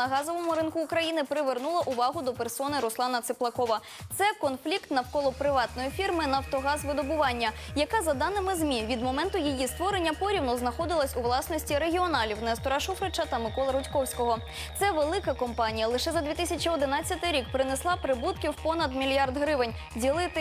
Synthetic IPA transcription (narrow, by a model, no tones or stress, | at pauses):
nɐɦɑzɔʋɔmʊɾɪnkʊːkɾɐjinɪpɾɪʋernulˠɐʔʊʋɑɦʊd̪ɔpersɔnɪɾʊslˠɑnɐt̪sɪplˠɐkɔʋɐ | t̪sɛkɔnflʲikt̪nɐwkɔlˠɔpɾɪʋɑt̪nɔjifʲirmɪnɐwt̪ɔɦɑzʋɪd̪ɔbʊʋɑnʲːɐjɐkɑzɐd̪ɑnɪmɪzmʲiʋʲid̪mɔmɛnt̪ʊjijist̪ʋɔɾenʲːɐpɔɾʲiwnɔznɐxɔd̪ɪlˠɐsʲʊʋlˠɑsnɔsʲtʲiɾe̞ɦʲiɔnɑlʲiwnɛst̪ɔɾaʃufɾet͡ʃɐt̪ɐmɪkɔlˠɐɾʊtʲkɔwsʲkɔɦɔ | t̪sɛʋelˠɪkɐkɔmpɑnʲijɐlˠɪʃɛzɐd̪ʲʋʲit̪ɪsʲɐt͡ʃʲiɔd̪ɪnɑt͡sʲːɐt̪ɪɾʲik̚pɾɪneslˠɑpɾɪbut̪kʲiwpɔnɐd̪mʲilʲjard̪ɦɾɪʋɪnʲ | dʲilˠɪt̪ɪ